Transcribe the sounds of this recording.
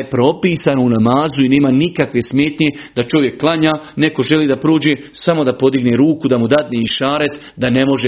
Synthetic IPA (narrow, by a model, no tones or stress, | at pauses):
epɾo̞piːsanounamaːzuine̞ːmanikakʋe̞sme̞ːt̪ɲe̞ | d̪at͡ʃo̞ʋjekːlˠaɲaːne̞ko̞ʒe̞liːd̪apɾoːd͡ʑe | samo̞d̪apo̞d̪iɡne̞ɾuːkud̪amud̪ad̪neiʃaːɾet̪ | d̪ane̞mo̞ʒe